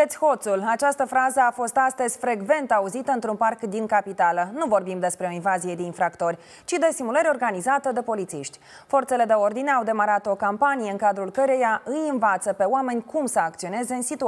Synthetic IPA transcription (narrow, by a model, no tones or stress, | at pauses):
et̪sʲho̞t̪sulat͡ʃast̪əfɾazəafo̞st̪ast̪əz̥ʲfɾe̞ɡve̞nt̪auzit̪əɨnt̪ɾunparkd̪iŋkapit̪alənuvo̞rbimd̪e̞spɾe̞o̞invazije̞d̪einfɾakt̪o̞rʲ | t͡ʃid̪e̞simuləɾeorɡanizat̪əd̪e̞po̞lit̪siʃt̪ʲ | fo̞rt̪se̞le̞d̪e̞o̞rd̪ine̞awd̪e̞maɾat̪o̞kampanijeɨŋkad̪ɾulkəɾe̞jaʔɨjɨnvat̪səpe̞oame̞nʲkumsəak̚t̪sio̞ne̞ze̞ɨnsit̪u